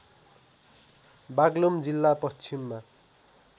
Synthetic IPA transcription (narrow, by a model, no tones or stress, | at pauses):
baɡlomd͡zilːapʌst͡sʰimːa